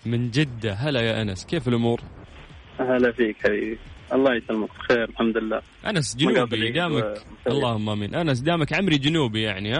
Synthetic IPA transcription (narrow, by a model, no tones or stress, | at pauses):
mɪnd͡ʒɪd̪ːaɦalajaʔanaskeːfɪlʔʊmuːɾ | halafiːkħabḭːbiʔɑlˤːɑːjɪt̪almʊqt̪xeːɾɪlħamd̪lɪlːa̰ː | ʔa̰nasd͡ʒʊnːbid̪aːmakɑlˤːɑːhʊmːaʔamiːnʔanas̬d̪aːmakʕamɾid͡ʒʊnuːbijaʕnihaː